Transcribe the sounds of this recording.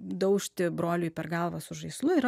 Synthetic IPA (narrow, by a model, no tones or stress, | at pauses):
d̪ɐʊʃʲt̪ʲɪbɾoːlʲʊjpʲɛ̰ɾɡɑlˠʋɐsʊʒɐɪslˠʊɪɾ